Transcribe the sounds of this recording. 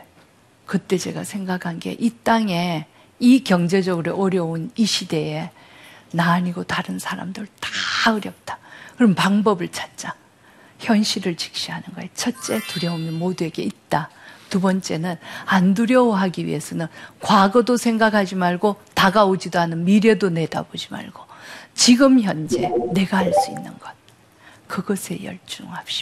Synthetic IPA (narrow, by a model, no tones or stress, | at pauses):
kɯt͈e̞d͡ʑe̞ɡa̰sʰe̞ŋɡakʰanɡe̞̰ʔit͈aŋe̞ | ikjʌŋd͡ʑe̞d͡ʑʌɡɯɾoʔʌɾjʌuniɕʰide̞e̞ | naɲiɡotaɾɯnsʰaɾa̰mdɯɭtḁʌɾjʌp̚t͈ḁkɯɾʌmpaŋbʌbɯɭt͡ɕʰḁt̚t͡ɕ͈a | çjʌnɕʰiɾɯɭt͡ɕi̥k̚ɕ͈iɦanɯnɡʌet͡ɕʰʌtt͡ɕ͈e̞tuɾjʌomɯnmodue̞ɡe̞it̚t͈atubʌnt͡ɕ͈e̞nɯnanduɾjʌwʌɦaɡiɥḭɦe̞sʰʌnɯnkwaɡʌdosʰe̞ŋɡakʰad͡ʑimaɭɡotaɡaod͡ʑidoɦanɯnmiɾe̞done̞da̰bod͡ʑima̰ɭɡ̥ot͡ɕiɡɯmçjʌnd͡ʑe̞̰ne̞ɡaɦaɭs͈uḭnːɯ̰nɡʌt̚ | kɯɡʌsʰe̞̰jʌ̰ɭt͡ɕ͈uŋɦap̚ɕ͈i̥